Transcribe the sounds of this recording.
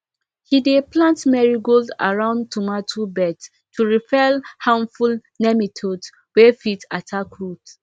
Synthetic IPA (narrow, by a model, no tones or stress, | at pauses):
hideplãntmɛɹiɡolda̰ɹãʊ̃ndtʰumatʰubɛt | tuɹipɛlhãnfulnɛmitʰod | wefitatʰakɹut